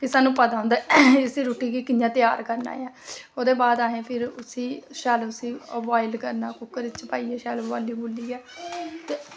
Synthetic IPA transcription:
kisaːnːũːpəd̪aːõnd̪aɛːʊsĩːɾoːʈiːkiːkɪnjãːt̪ɪjaːɾkəɾna̰ːjãːoːd̪eːbaːd̪aːɦẽːpʰɪɾʊsiːʃaːlʊsiːəʋaːɪlkəɾnaːkʊkːəɾɪt͡ʃpaːiːɛːʃɛːlʋa̰ːlːiːboːliːɛːt̪eː

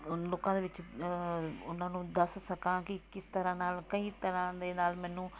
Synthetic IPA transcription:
loːkãːd̪eːʋɪt͡ʃ | ʊn̤ãːnũːd̪ɐssɐkãːkɪkɪst̪əɾãːnaːlkəiːt̪əɾãːd̪eːnaːlmɛ̃ːnũː

